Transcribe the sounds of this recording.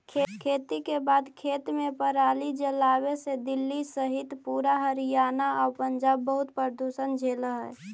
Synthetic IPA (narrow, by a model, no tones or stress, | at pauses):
kʰkʰeːt̪ikebaːd̪kʰeːt̪mẽpəɾaːlid͡ʒəlawesed̪ɪlːisəɦit̪puːɾaɦəɾijaːnaɔːɾpənd͡ʒaːbːəɦʊt̪pəɾd̪uʃənd͡ʒʱeːləɦə̰